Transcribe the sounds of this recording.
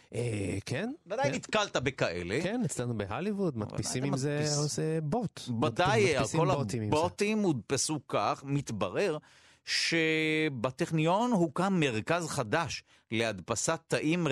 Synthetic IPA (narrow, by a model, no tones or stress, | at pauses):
ʔekʰenvad̪ajnit̪kalt̪abekaʔe̞̰lekenit͡slanubeɦalivud̪mɐ̰a̰pisimimmzesebot̪vad̪ajalskolat̪iimbot̪imːud̪pesukaχmit̪bɐʁe̞ʁ | ʃebat̪eχnijo̞nɦukamːe̞ʁkazχad̪aʃ | lead̪pasat̪ːaʔim